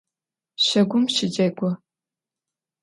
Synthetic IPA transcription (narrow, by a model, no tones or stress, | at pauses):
ɕɐɡʷʊmʃɪd͡ʒɐɡʷɔ